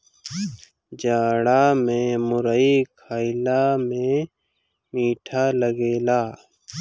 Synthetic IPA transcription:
d͡ʒaːɽamẽmʊɾəikʰaːɪlamẽ | miːʈʰaləɡeːlaː

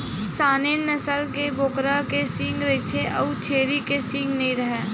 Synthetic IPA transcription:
saːneːnɐsəlkeboːkɾakesɪ̃ŋɡɾet͡ʃʰeʔə̰ut͡ʃʰeːɾikesɪ̃ŋɡnɐɦĩɾɐɦeː

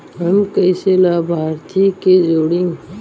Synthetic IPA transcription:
ɦɐmkəɪselaːbʱaːɾt̪ʰiːked͡ʒoːɽĩŋɡ

